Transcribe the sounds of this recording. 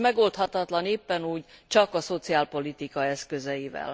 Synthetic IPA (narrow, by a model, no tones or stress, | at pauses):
mɛɡo̞lt̪hɒt̪ɒt̪lɒneːpːɛnuːɟt͡ʃɒkɒso̞t̪siaːlpo̞lit̪ikɒɛskø̞zɛjivɛ̰l